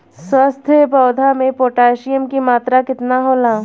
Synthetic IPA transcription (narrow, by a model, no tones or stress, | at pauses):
swəst̪ʰpəːd̪ʱamẽpoːʈaːeʃijəmkimaːt̪ɾakɪt̪naɦoːlaː